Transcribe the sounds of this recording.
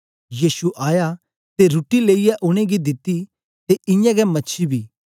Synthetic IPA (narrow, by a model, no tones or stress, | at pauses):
jiːsuʔaːja | t̪eɾuʈileːɪjɛʔʊɽ̃eɡid̪ɪt̪i | t̪eʔɪ̃jãɡɛmɐtːʃʰibʱiː